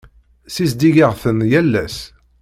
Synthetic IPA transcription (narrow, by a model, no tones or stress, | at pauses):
sisd̪iʝiʁθənjælːæs